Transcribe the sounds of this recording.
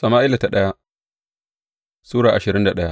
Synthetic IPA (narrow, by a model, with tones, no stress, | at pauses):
sɐ˨maː˦ʔɪ˦la˨ta˨ɗɐ˦ja˦ | suː˦ɽaː˨ʔa˨ʃɪ˨ɾɪ˦nda˨ɗɐ˦ja˦ʔ